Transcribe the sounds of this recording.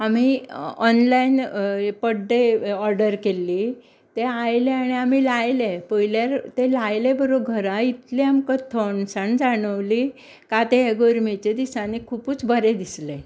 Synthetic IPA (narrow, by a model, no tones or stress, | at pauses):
amiɔnlainpəɖeɔɾɖəɾkelːiː | t̪eajleaɽ̃iam̤ilajlepəjljaɾt̪elajlebəɾoɡʱəɾãit̪liamkət̪ʰoɳsaɳd͡zaɽ̃əʋli | kat̪eɦeɡoɾmet͡ɕed̪isãnekʰuːpuːt͡sbʱəɾed̪isle